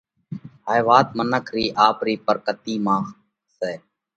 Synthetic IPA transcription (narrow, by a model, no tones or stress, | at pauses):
ɦaːjʋaːt̪̚mənəkʰɾiːʔaːpɾiːpəɾkət̪iːmãːx | seː